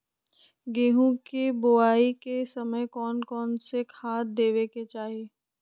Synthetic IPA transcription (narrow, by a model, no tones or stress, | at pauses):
ɡeːɦũkeboaːikesɐməjkɔːnkɔːnsekʰaːt̪d̪eːweket͡ʃaːɦieː